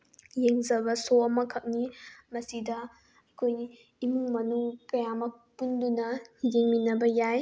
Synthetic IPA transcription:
jeŋzɐbɐsoɐmɐkʰɐk̚nimɐsidɐ | ɐkʰoj | imuŋmɐnuŋkɐjamɐk̚pundunɐjeŋminɐbɐjaj

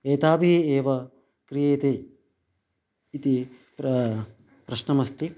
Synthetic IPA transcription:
eːt̪aːbiieːʋɐ | kɾijeːt̪e | t̪i | pɾɐʃnɐmɐst̪i

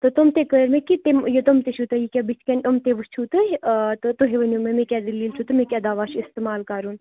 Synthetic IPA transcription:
t̪ot̪omt̪ekəɾmẽkit̪emjot̪omt̪eʃut̪ɐjikʲabit͡ʃʰkʲɐnomt̪eʋɨst͡ʃʰuːt̪ɐt̪ot̪oɦeʋɐnjumemekʲad̪ɐlːiːlt͡ʃʰut̪ɐmẽkʲad̪aːʋaːʃist̪emaːlkaɾun

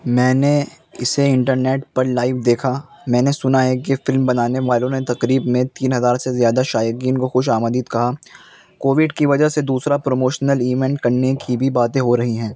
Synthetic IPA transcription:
mɛ̃ːne | ɪseɪ̃ɳʈəɾneːʈpɐɾlaːɪʋd̪eːkʰa | mɛ̃ːnesʊnaɦɛk̬efɪlmbɐnaːneʋaːlõnet̪ɐqɾiːbmẽt̪iːnɦɐzaːɾsezjaːd̪aʃaːjəkiːnkoxʊʃaːməd̪iːt̪kɐɦa | koːʋɪɖkiʋɐd͡ʒəɦsed̪uːsɾapɾomoːʃnəliːʋɛ̃ɳʈkɐɾnekibʱibaːt̪ẽɦoɾɐɦiɦɛ̃ː

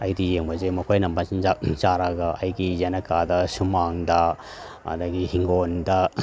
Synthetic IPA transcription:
ɐjdijeŋbɐzemɐkʰojnɐmbɐsinzat͡ʃaɾɐɡɐʔɐjɡizɐnɐkadɐsumaŋdɐ | ɐ̰dɐɡihiŋɡondɐ

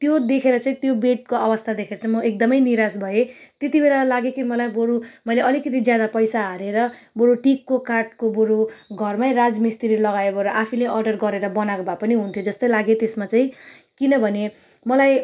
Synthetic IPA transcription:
t̪jod̪ekʰeɾʌt͡saĩt̪jobeʈ̚koʌbʌst̪ʰad̪ekʰeɾʌt͡saĩmʌʔek̚d̪ʌmʌjniɾasbʱʌet̪jet̪ibelalaɡekimʌlajboɾumʌjleʌlikʌt̪̬id͡zjad̪apʌjsaɦʌɾeɾʌboɾuʈikːokaʈ̚koboɾuɡʱʌrmajrad͡zmist̪iɾilʌɡaebʌɾuʔapʰileʔʌrɖʌrɡʌɾeɾʌbʌnakobʱapʌniɦunt̪ʰjod͡zʌst̪ʌjlaɡet̪esmat͡saĩ | kinʌbʱʌne | mʌlaj

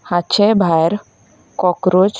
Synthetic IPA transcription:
hat͡ʃʰebʱajɾ | kɔkɾod͡ʒ

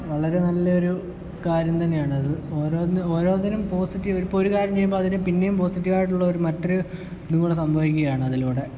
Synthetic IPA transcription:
ʋɐɭɐɾe̞nɐlːɐo̞ɾu | kaːɾjɐmt̪ɐnːejaːɳɨɐðɨoːɾoːnoːɾo̞ːninumpo̞ːsitːiʋoɾupːoɾukaːɾjɐmt͡ɕe̞jːumboɐðinɨpinːe̞jumpo̞ːsitːiʋaːjiʈ̬ːuɭːɐo̞ɾumɐtːoɾu | nuŋːuɭesɐmbʱɐʋikʲːuɣɐjaːɳɨɐðiluːɽe̞

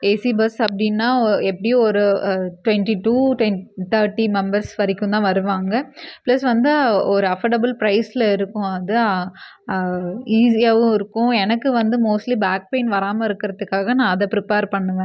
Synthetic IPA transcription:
eːsibɐsɐpɐɽinːaːɛpːɐɽɪjõɔɾɯʈwɛɳʈiʈuːʈwɛnt̪ʰɐːɾʈːimɛmbɐɾsʋɐɾɪkːʊ̃nt̪ãːʋɐɾɯʋaːŋɡɐplɐsʋɐnd̪ɯɔɾɯɐfɐɾɖɐbɐlpɾɐɪslɐɪɾɯkːʊ̃ɐðɯ | iːsijaʋɯ̃ɪɾɯkːʊ̃ɛnɐkːɯʋɐnd̪ɯmoːsʈlibaːk̚peɪnʋɐɾaːmɐɪɾɯkːɪɾɐðɯkːaːɣɐnãːɐðɛpɾɪpeːɾpɐɳːɯʋẽ

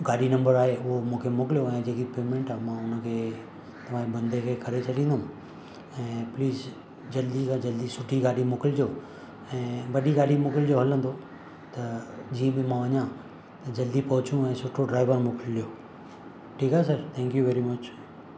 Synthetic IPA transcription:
ɡaːɗinɐ̃mbəɾaːɦeʊɦomũːkʰemʊkɪlijoɛ̃ːd͡ʑeːkipeːmẽɳʈaːmãːʊnəkʰeː | t̪ɐʋ̤ãːĩbɐ̃nd̪ʱekʰeːkɐɾet͡ɕʰɐɗĩːnd̪oʊ̃ | ɛ̃ːpliːz | d͡ʑɐld̪ikãd͡ʑɐld̪isʊʈʰiɡaːɗimʊːkɪld͡ʑoː | ɛ̃ːʋɐɗiɡaːɗimʊkɪld͡ʑoɦɐlə̃nd̪o | t̪ɐd͡ʑiːə̃bɪmãʋɐɲã | t̪ɐd͡ʑɐld̪ipɐɦʊt͡ɕjũɛ̃ːsʊʈʰːoɖɾaːɪʋəɾmʊkɪllijo | ʈʰiːkasɐɾt̪ʰɛ̃ːŋkjuʋɛːɾimɐt͡ɕ

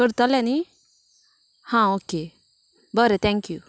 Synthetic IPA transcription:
kəɾt̪alɛni | hãoːke | bɐɾet̪ʰɛ̃ŋkju

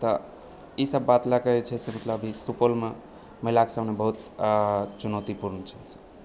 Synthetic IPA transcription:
t̪ə | isəbːat̪lakəɛt͡ʃʰɛsemət̪ləbʱisupolme | məlake̥samnebəɦut̪ | t͡ʃunəʊt̪ipuɾnt͡ʃʰɛse̥

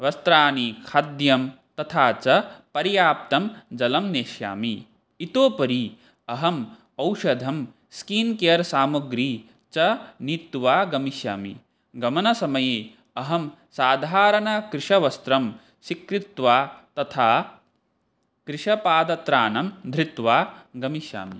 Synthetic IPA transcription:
ʋɐst̪ɾaːnikʰɐd̪jɐm | t̪ɐt̪ʰaːt͡ʃɐpɐɾijaːp̚t̪ɐmd͡ʒɐlɐmneːʃja̰ːmi | it̪oːpɐɾi | ɐɦɐm | ɐwʃɐd̪ʱɐm | skiːnkejɐɾsaːmɐɡɾiː | t͡ʃɐnit̪ːʋaːɡɐmiʃja̰ːmḭ | ɡɐmɐnɐsɐmɐjeː | ɐɦɐm | saːd̪ʱaːɾɐnɐkɾɪʂɐʋɐst̪ɾɐm | ʃikɾit̪ʋaːt̪ɐt̪ʰaː | kɾiʂɐpaːd̪ɐt̪ɾaːnɐmd̪ʱɾit̪ʋaːɡɐmiʃja̰ːmḭ

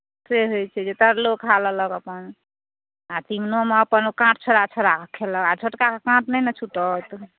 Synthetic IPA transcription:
seɦojt͡ʃʰɛd͡ʒet̪əɾlokʰalələkəpən | at̪imnomeəpənkãʈʰt͡ʃʰəɾat͡ʃʰəɾakʰkʰeləkat͡ʃʰoʈkakekãʈnɛnət͡ʃʰuʈət̪

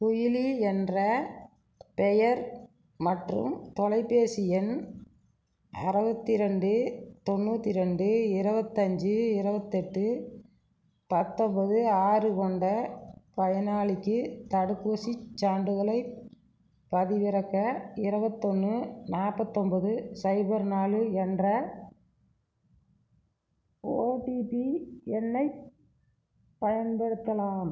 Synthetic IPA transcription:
kʊjɪliɛndrɐ | pɛjɐɾ | mɐʈrɯ̰mt̪ɔlɐɪpːeːsɪjɛn | ɐ̰ɾɐbɐt̪ːɪɾɐɳɖɯt̪ɔnːuːt̪ːɪɾɐɳɖɯɪɾɐbɐt̪ːɐɲd͡ʒɯɪɾɐbɐt̪ːɛʈːɯ | pɐt̪ːɔmbɐðɯaːrɯkɔɳɖɐpɐjɐnaːɭɪkːɯt̪ɐɽɯkːuːsit͡ʃːaːɳɖɯɣɐɭɐɪ | pɐðɪʋɪɾɐkːɐɪɾɐbɐt̪ːɔnːɯnaːɾpɐt̪ːɔmbɐðɯsɐɪbɐɾnaːlɯɛndrɐ | oːʈipiɛnːɐɪ | pɐjɐnbɛɽɯt̪ːɐlaːm

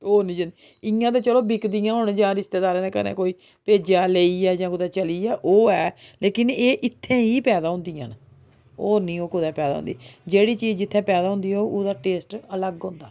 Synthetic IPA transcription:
oːnĩːd͡ʒand̪i | ɪjãːt̪eːt͡ʃəloːbɪkd̪ijãːɦʊnd͡ʒãːɾɪst̪eːd̪aːɾẽːd̪eːkə̰ɾnḛːkoːiː | peːd͡ʒaːleːiːɛːd͡ʒãːkʊd̪ɛːt͡ʃəliːɛːʔoːɛːleːkɪneːʔɪt̪ʰːẽːiːpɛːd̪aːɦʊ̃nd̪iːã̰ːn | oːnĩːoːkʊd̪ɛːpɛːd̪a̰ːɦʊ̰̃nd̪iːd͡ʒeːɽiːt͡ʃiːd͡ʒd͡ʒɪt̪ʰːɛ̃ːpɛːd̪aːɦʊ̃nd̪iːoːʔʊd̪aːʈeːsʈələɡɦʊ̃ːnd̪aː

